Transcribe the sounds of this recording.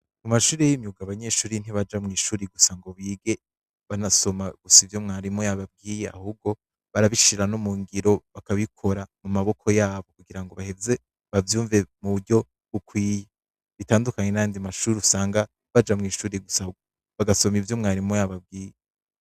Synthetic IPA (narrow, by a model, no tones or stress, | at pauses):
mumaʃuːɾejiɲɲuɡaβaɲe̞ːʃuːɾin̥iβad͡ʒamŋiːʃuːɾiɡusaŋɡo̞βiːɡe̞ | βanaso̞maɡ̥usivjo̞mŋaːɾimojaβab̚ɡiːjea̰hub̚ɡo̞ | βaɾaβiʃiɾano̞muːŋɡiɾo̞βakaβikʰo̞ɾamumaβo̞kʰo̞jaːβo̞kuɡiɾaŋɡo̞βahe̞ze̞ | βavjuːɱve̞muβuɾɟo̞ | βukwiːje | βitaːndukaɲe̞najaːndimaʃuːɾiusaːŋɡa | βad͡ʒamŋiːʃuːɾiɡusaɡ | βaɡaso̞mivjo̞mŋaːɾimojaβab̚ɡiːje